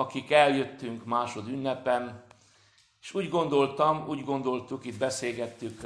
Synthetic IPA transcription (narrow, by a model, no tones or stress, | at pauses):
ɒkikɛljøt̪ːyŋkmaːʃo̞d̪ynːɛpɛn | eʃuːɟɡo̞nd̪o̞lt̪ɒmuːɟɡo̞nd̪o̞lt̪ukid̪̚bɛseːlɡɛt̪ːyk